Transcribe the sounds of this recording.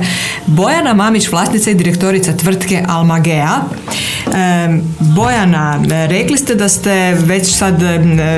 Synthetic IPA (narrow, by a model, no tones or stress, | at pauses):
bo̞janamamit͡ɕʋlˠaːst̪nit̪said̪iɾe̞kt̪o̞ɾit̪sat̪ʋr̩t̪ke̞ʔalmaɡea | bo̞janaɾeklist̪ed̪ast̪eʋe̞t͡ɕsad̪